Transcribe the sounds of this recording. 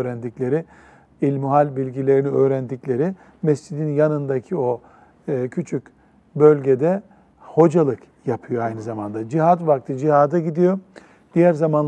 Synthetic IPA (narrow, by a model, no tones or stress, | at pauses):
øːɾænd̪iclʲe̞ɾɪ | ilʲmuɦalʲbilʲɟilʲe̞ɾiniø̞ːɾænd̪iclʲe̞ɾi | mɛst͡ʃid̪injanɯnd̪acʰio̞ | ɯːcʰyt͡ʃʰyc | bølʲɟɛd̪ɛ | ho̞d͡ʒalˠɯk | japʰɯjo̞ajnɯzamand̪ad͡ʒiɦat̪vak̚t̪ʰɯd͡ʒihaːd̪aɟid̪ijo̞ | d̪̥ijæɾzamanl